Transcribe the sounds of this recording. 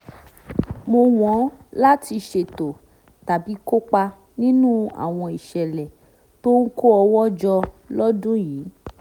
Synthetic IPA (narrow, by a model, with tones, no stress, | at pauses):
mo˧w̃ɔ̃˨˦la˦ti˧ʃe˧˨to˨ | ta˨bi˨˦ko˦k͡pa˧ | nĩ˦nũ˦a̰˨w̃ɔ̃˧i˨ʃɛ˨lɛ˨ | to˦ŋ̩˦ko˦ɔ˧wɔ˦d͡ʒɔ˧ | lɔ˦dũ˦jiː˨˦